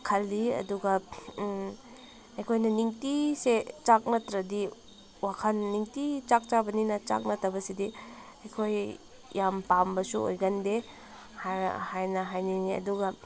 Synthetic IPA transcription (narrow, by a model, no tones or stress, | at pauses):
kʰɐlːiɐ̰duɡɐ | ɐjkʰojnɐniŋtiset͡ʃak̚nɐtɾɐdi | wakʰɐnːiŋtit͡ʃak̚t͡ʃabɐninɐt͡ʃa̰k̚nɐtɐbɐsidi | ɐjkʰoj | jampambɐsuo̰jɡɐnde | ha̰hajnɐɦajniniɐ̰duɡɐ